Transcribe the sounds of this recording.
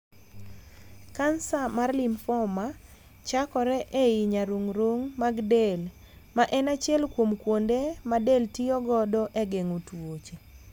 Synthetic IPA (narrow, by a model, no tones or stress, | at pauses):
kansamarlɪmfɔma | t͡ʃakɔɾɛʔeiɲaɾoŋɾoŋmaɡdel | maʔɛnat͡ʃjɛlkwomkwondemadeltiɔɡɔdɔʔeɡeŋotwot͡ʃe